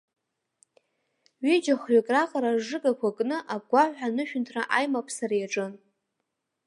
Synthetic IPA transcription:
ɥid͡ʒaχɥakʼraqʼaɾaʐɨɡʼakʷakʼnɨʔaɡʷaħʷᶣanɨʃᶣʏntʰraʔajmapʰsaɾajaʈ͡ʂʼɨn

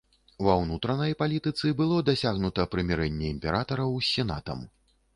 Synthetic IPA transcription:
vɐwnut̪ɾɐnɐjpalʲit̪ɨt̪sɨbɨlˠɔd̪asʲaɣnut̪ɐpɾɨmʲɛɾɛnʲːɛimpʲɛɾat̪ɐɾɐwsʲɛna̰t̪ɐ̰m

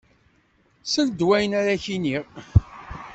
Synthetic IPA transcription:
sənd̪wæjənaɾaçiniʁ

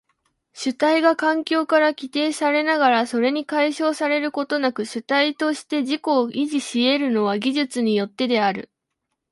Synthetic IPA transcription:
ɕɨt̪aiɡakãŋkʲo̞ːkaɾakʲit̪e̞ːsaɾe̞naɡaɾaso̞ɾe̞ɲ̟ikaiɕo̞ːsaɾe̞ɾɯ̟ko̞t̪o̞nakɯ̟ɕɨt̪ait̪o̞ɕi̥t̪e̞ʑiko̞ːʔiʑiɕie̞ɾɯ̟no̞β̞aɡʲiʑɨt͡sɨɲ̟ijo̞t̪ːe̞d̪e̞aɾɯ̟̰

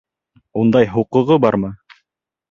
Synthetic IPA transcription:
und̪ɑjɦuqɤ̆ʁɤbɑɾmɤ

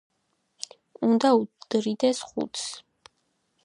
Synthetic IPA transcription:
und̪aud̪̥ɾid̪ɛsχṵt̪s

